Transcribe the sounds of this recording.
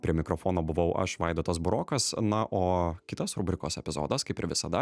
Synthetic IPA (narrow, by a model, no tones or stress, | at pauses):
pʲɾʲiɛmʲɪkɾofoːnoːbʊʋɐʊʔɐ̰ʃʋɐɪd̪oːt̪ɐsbʊɾoːkɐsnɐʔoːkʲɪt̪ɐsɾuːbʲɾʲɪkoːsɛpʲɪzo̰ːd̪ɐskɐɪpɪɾʋʲɪsɐd̪ɐ